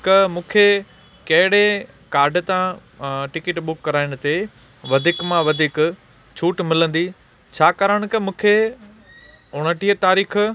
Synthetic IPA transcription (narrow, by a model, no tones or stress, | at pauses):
kɐmũːkʰe | kɐɦɪɽe | kaːɾɖt̪ãʈɪkɪʈɓʊkːɐɾaːɪɽ̃ʊ̆t̪e | ʋɐd̪ʱɪkmãʋɐd̪ʱɪk | t͡ɕʰuːʈmɪlə̃nd̪i | t͡ɕʰaːkɐɾəɽ̃ʊ̆kɐmũːkʰe | ʊɽ̤̃əʈiət̪aːɾiːx